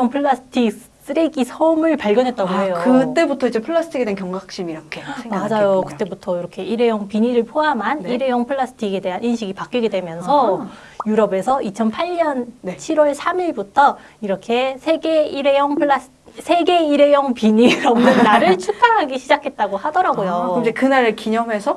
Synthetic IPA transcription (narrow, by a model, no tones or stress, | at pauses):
ʌŋpʰɯɭːasʰɯ̥tʰik̚ | s͈ɯɾeɡisʰʌomɯɭpaɭɡjʌnɦe̞t̚t͈abosejokɯt͈e̞butʰʌid͡ʑepʰɯɭːas͈ʰɯ̥tʰiɡedenŋkjʌŋɡakɕ͈imiɾʌkʰemmad͡ʑajokɯ̥t͈e̞butʰʌiɾʌkʰe̞iɾe̞jʌŋpiɲiɾɯɭpʰoamɦanniɾe̞jʌŋpʰɯɭːas͈ʰɯ̥tʰiɡe̞de̞ɦaninɕʰiɡipak͈iɡe̞dwe̞mjʌnsʰʌ | juɾʌbe̞sʰʌit͡ɕʰʌnpʰaɭɲʌnnt͡ɕʰiɾwʌɭsʰamiɭbutʰʌ | iɾʌkʰe̞sʰe̞ɡe̞iɾejʌŋpʰɯɭas | sʰe̞ɡe̞iɾe̞jʌŋpiɲiɾʌmnɯnːaɾɯɭt͡ɕʰupʰaŋɦaɡiɕʰid͡ʑakʰe̞t̚t͈aɡohadʌɾaɡojod͡ʑekɯnaɾɯɭkiɲʌmɦe̞sʰʌ